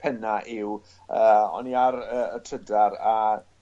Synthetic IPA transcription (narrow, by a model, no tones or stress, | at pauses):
pʰɛnaʔɪw | əːɔ̰niaɾəːtʰrədaɾa